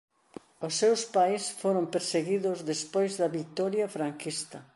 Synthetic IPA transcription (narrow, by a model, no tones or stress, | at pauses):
ʊsːewspajsfoɾompeɾseɣiðʊzðespojzðɐβikt̪ɔɾjɐfɾaŋkist̪ɐ